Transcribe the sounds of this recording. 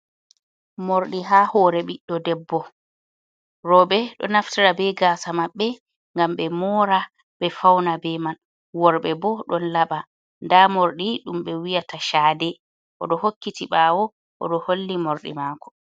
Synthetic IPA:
moɾɗiɦaːhɔːɾɛɓiɗːɔdɛbːɔ | ɾɔbɛɗɔ̰naftiɾabɛɡaːsamaɓːɛ | ŋɡamɓɛmɔːɾa | ɓɛfawnabɛman | wɔɾɓɛbɔɗɔnlaɓa | ndamoɾɗiɗumɓɛwijataʃaːdɛ | ʔɔ̰ɗɔhokːitiɓaːwɔ | ʔɔ̰ɗɔholːimoɾɗḭmakɔ̥

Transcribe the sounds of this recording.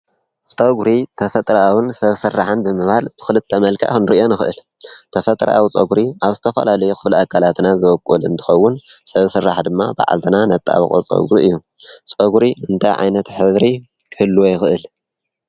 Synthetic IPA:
t͡sʼɐɡuɾit̪ʰɐfɐt̪ʼɾawɨnsɐβsɨrːaħɨnbɨmɨβhalb̥ɨ̥xɨlɨt̪ʰːɐmɐlkʰa̰ʔxnɾiʔjo̞nɨxɨʔɨl | t̪ʰɐfɐt̪ʼɾʔa̰wt͡sʼɐɡɾiaβzɨt̪ʰɐfɐ̰lalɐjuxʰɨβlakʰːalat̪nazɨβɐkʼulɨ̰nt̪ʰɨ̥xɐwːʊnsɐβsɨrːaħd̪ɨmːaba̰ʕa̰lt̪ʰɨnanɐt̪ʼːa̰β̰kʼot͡sʼɐ̰ɡɾiɨjːu | t͡sʼɐɡɾiɨnt̪ʰajʕa̰jnɐt̪ħɨβɾi | kʰɨhɨlːuwojɪxɨʔɨl

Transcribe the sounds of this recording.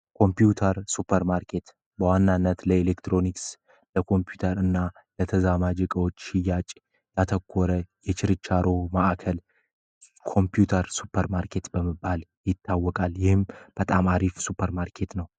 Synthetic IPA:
kʰo̞mpjut̪ʰəɾsupʰːəɾmaɾkʰe̞t̪ | bəwanːanːət̪ləelekt̪ɾo̞niks | ləkʰo̞mpjut̪ʰəɾɨnːa | lət̪ʰəzamad͡ʒɪkʼəwot͡ʃːʃɪjːat͡ʃʼ | jat̪ʰəkʰːoɾəjɛt͡ʃɪɾɨt͡ʃːaɾo̞maʔkʰəl | kʰo̞mpʰjut̪ʰəɾsupʰːəɾmaɾkʰe̞t̪bəməbːaljɪt̪ːawːɔkʼaljɪhɨmb̥ət̪ʼamaɾifsupʰːəɾmaɾkʰe̞t̪nəw

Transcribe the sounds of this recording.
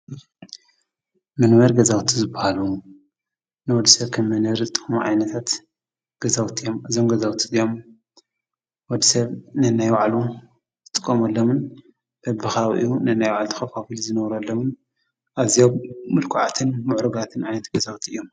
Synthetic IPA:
mɨnmɐɾɡɐzawt̪ʰizɨbːahalu | nɨwɔd̪isɐβkʰɐmːɐnɐɾzɨt̪ʼɨkʼmuʕa̰jnɐt̪ʰat̪ | ɡ̥ɐzawt̪ʰiomʔɨzomɡɐzawt̪ʰiɨjom | wɔd̪isɐβnɨnajwaʕlu | zɨt̪ʼɨkʼːɐmɐlːomɨn | b̥ɐbɨxawʔɨ̰junɨnajwaʕalt̪ʰɨ̥xɐfafilzɨnɐwɾɐlːomɨn | ʔaβzijomːɨlkʰuʕa̰t̪ʰɨnmʊʕɾoɡat̪ʰɨnʕajnɐt̪ɡɐzawt̪ʰiʔɨjom

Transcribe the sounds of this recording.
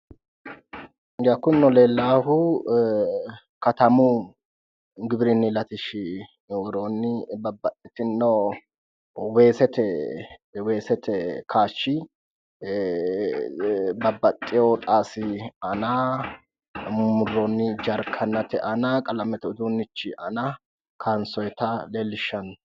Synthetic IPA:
ɡakːʊnːɔle̞ːlːaːhʊ | kɐt̪ɐmu | ɡɪbɾɪnːɪlɐt̪ɪʃɪ | wɔɾoːnːɪbɐbːɐt̪ʼːɪt̪ɪnːo | weːsɛt̪ɛ | weːsɛt̪ʰɛkʰaːʃːɪ | bɐbːɐt̪ʼːɪoːt̪ʼaːsɪɐna | mʊrːonːɪd͡ʒɐɾkʰɐnːɐt̪ɛʔɐnɐkʼɐlɐmɛt̪ɛʊd̪unːɪt͡ʃːɪʔɐnɐ | kʰansɔjɛt̪ɐleːlːɪʃːɐn

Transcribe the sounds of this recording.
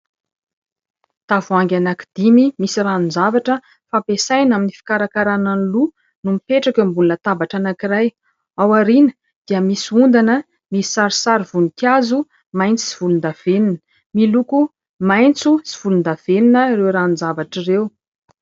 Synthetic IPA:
t̪avuaŋɡʲanaki̥d̪̥imimisiɾanunzavaʈ͡ʂə | fapesajnaminifi̥kaɾakaɾananlu | numipeʈ͡ʂakʲəmbulunət̪abaʈ͡ʂanakiraj | awaɾinə̥ | d̪̥iəmisund̪anə | misaɾisaɾivunikjazu | majnt͡si̥ziv̥ulund̪av̥eninə̥ | miluku | majnt͡susiv̥ulund̪av̥eninərewɾanuzavaʈ͡ʂirew

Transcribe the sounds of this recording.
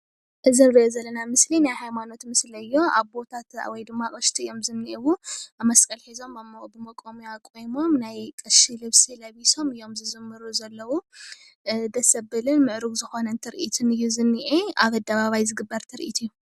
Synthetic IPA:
ʔɨzɨnɾiʔozɐlːɐnamɨslinajhajmano̞t̪mɨslɐɨjːo̞aβbo̞t̪ʰat̪wɔjd̪ɨmːakʼɐʃt̪ʰiɨjo̞mzɨnːiʔiwuamɐskʼɐlħizo̞mambɨmɐkʼomujakʼojmo̞mnajkʼɐʃilɨβsilɐβiso̞mɨjo̞mzɨzɨmːɨɾuzɐlːɐwu | d̪ɐsɐbɨlɨnmɨʕɾuɡzɨxo̞nɐnt̪ʰɨɾɨʔit̪ʰɨnɨjːuzɨnːiʔeaβɐd̪ɐβaβajzɨɡɨbːɐɾt̪ʰɨɾɨʔḭt̪ʰɨjːu

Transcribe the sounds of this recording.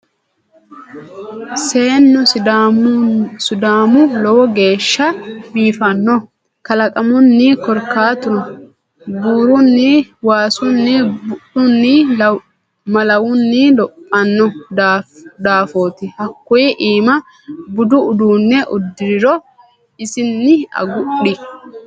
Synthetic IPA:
se̞ːnːʊ | sʊd̪aːmʊlɔwɔɡe̞ːʃːɐbiːfɐnːɔ | kɐlɐkʼɐmʊnːikɔɾkːaːt̪ʊnɔ | buːɾʊnːiwaːsʊnːibʊɗʊnːɪl | mɐlɐwʊnːɪlɔpʼːɐnːɔd̪d̪aːfoːt̪ɪhɐkːʊjɪʔiːmɐ | bʊd̪ʊʊd̪uːnːɛʔʊd̪ːɪɾɪɾɔ | ɪsɪnːɪɐ̰ɡʊɗɪ

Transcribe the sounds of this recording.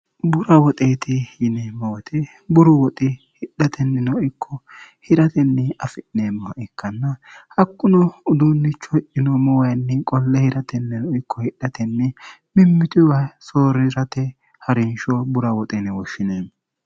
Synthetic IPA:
bʊɾɐwɔt̪ʼeːt̪ɪjɪnɛmːɔwɔt̪ʰɛ | bʊɾʊwɔt̪ʼɪhɪɗːɐt̪ʰɛnːɛnɔʔɪkʰːɔhɪɾɐt̪ɛnːɛɐfɪʔneːmːɔʔɛkʰːɐnːɐhɐkːʊnɔʊd̪unːɪt͡ʃːɔɪʔɪnɔmɔwɐjnːɛkʼɔlːɛhɪɾɐt̪ɛnːɛnɔʔɪkʰːɔhɪɗːɐt̪ɛnːɛ | mɪmːɪt̪ɪwɐsoːɾɪɾɐt̪ɛ | hɐɾɪnʃɔbʊɾɐwɔt̪ʼɛnɛwɔʃːɪneːm

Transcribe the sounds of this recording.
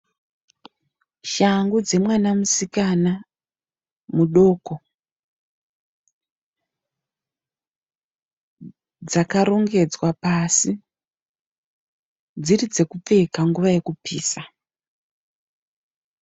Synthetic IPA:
ʃaŋɡud͡ze̞mwanamusikana | muɗo̞ko̞ | d͡zakaɾo̞ŋɡe̞d͡zwapasi | d͡zirid͡ze̞kup͡fe̞kaŋɡuʋaje̞kupiːsa

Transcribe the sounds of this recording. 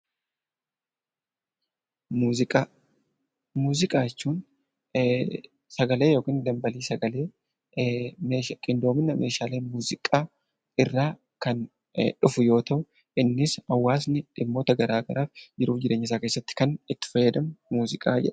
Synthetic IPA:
uːɪkʼa | muːzɪkʼaːjɛt͡ʃːuːn | sɐɡɐle̞ːjo̞ːkɪːnd̪ɐmbɐliːsɐɡɐleː | meːkʼɪnd̪o̞ːmɪnːɐmʔe̞ːʃaːleːmuːzɪkʼaː | ɪrːaː | kɐn | ᶑʊfʊjo̞ːt̪ɐʔʊ | ɪnːɪsɐwːaːs̬nɪᶑɪmːo̞ːt̪ɐɡɐɾaːɡɐɾaːfd͡ʒɪɾuːfd͡ʒɪɾeːɲːɪs̬aːke̞ːsːɐt̪ːɪ̥kɐnɪt̪ːɪ̥fɐjːɐd̪ɐmmuːzɪkʼa̰ːd͡ʒɛ̰ᶑ

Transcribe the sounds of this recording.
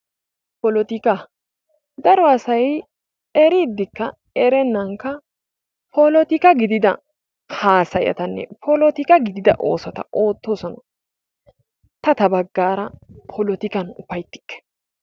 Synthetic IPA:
pɔlɔt̪ɪkɐ | d̪ɐɾɔɐsɐj | ɛɾiːd̪ːɪkːɐ | ɛɾɛnːɐŋkːɐ | pʰɔlɔt̪ɪkɐɡɪd̪ɪd̪ɐ̰ | haːsɐjɐ̰t̪ɐnːɛ̰pʰɔlɔt̪ɪkɐɡɪd̪ɪd̪ɐ̰ʔo̞ːsɔt̪ɐ̰ʔo̞ːt̪ːoːsɔnɐ | t̪ɐt̪ɐbɐɡːaːɾɐpʰɔlɔt̪ɪkɐnʊfɐjt̪ːɪ̥kːɛ̥

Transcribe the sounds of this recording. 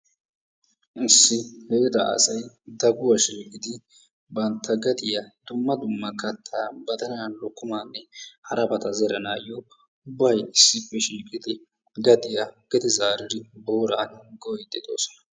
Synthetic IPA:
ʔɪsːɪheːd̪ɐ̰ʔɐ̰sɐj | d̪ɐɡʊwɐʃiːkʼɪd̪ɪ | bɐnt̪ʰːɐɡɐd̪ɪjɐd̪̥ʊmːɐd̪ʊmːɐkɐt̪ʰːabɐt̪ɐnɐɐnlɔkːʊmaːnːɛhɐɾɐbɐt̪ɐzɛɾɐnaːjɔ | ʊbːɐjɪsːɪpːɛʃiːkʼɪd̪ɪ | ɡɐd̪ɪjɐɡ̥ɛd̪ɪzaːɾɪd̪ɪboːɾaːnɡɔjd̪ɛd̪o̰ːsɔ̥nɐ̥

